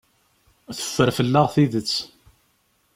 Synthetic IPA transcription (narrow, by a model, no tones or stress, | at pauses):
θə̥fːəɾfəlːaʁθiðət͡sː